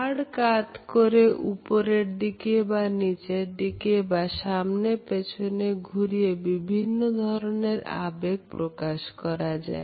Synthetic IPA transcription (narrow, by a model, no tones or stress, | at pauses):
aɽkat̪koɾeʔupoɾeɾd̪ikebanit͡ɕeɾd̪ikebaʃamnepet͡ɕʰoneɡʱuɾijebibʱinːod̪ʱɔɾoneɾa̰beɡ̚pɾokaʃkɔɾad͡ʑa̰e